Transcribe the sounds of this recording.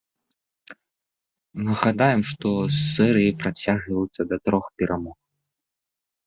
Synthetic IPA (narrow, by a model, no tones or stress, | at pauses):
nɐɣad̪ajɛmʂt̪ɔsːɛɾɨjipɾat͡sʲaɣɐjut̪sʲːɐd̪ɐt̪ɾɔxpʲɛɾʔamɔx